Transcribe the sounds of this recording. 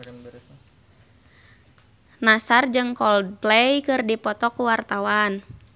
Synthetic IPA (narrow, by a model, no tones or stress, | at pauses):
nasard͡ʒɨŋkɔldplɛjkɨrdipɔt̪ɔkuwart̪awan